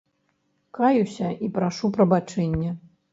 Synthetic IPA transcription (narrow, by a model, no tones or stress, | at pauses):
kajusʲɐʔipɾaʂupɾɐbat͡ʂɛnʲːɛ